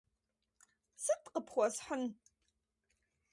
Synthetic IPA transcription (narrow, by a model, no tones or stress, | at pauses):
sɨtʼqəpʰχʷɐsħʊn